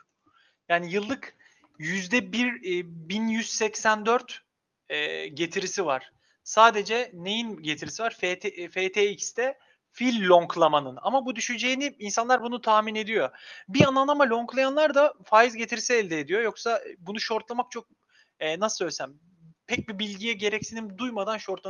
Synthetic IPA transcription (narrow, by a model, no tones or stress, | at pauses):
jaːnijɯlˠːɯk | jyzd̪ɛbiɾbinjyz̥sɛcsænd̪øɾt̪ | ɛːɟe̞t̪ʰiɾisivaɾ̥ | saːd̪e̞d͡ʒɛne̞jinɟet̪ʰiɾisivaɾffeːt̪ʰeicst̪ɛ | filʲːoŋklˠamanɯna̰mabud̪yʃyd͡ʒe̞jiniiːnsanlˠaɾbunut̪ʰaːmine̞d̪ijo̞biananˠamalʲo̞ŋklˠajanlˠaɾd̪afaːjizɟe̞t̪ʰiɾisiɛlʲd̪ɛːd̪ijo̞jo̞ksabunuʃo̞ɾt̪lˠamak̚t͡ʃʰo̞k̚ | ɛːnasɯ̥søjlʲesæm | pʰɛc̚bibilʲɟijɛɟe̞ɾɛcsinimd̪ujmad̪anʃo̞ɾt̪ˠa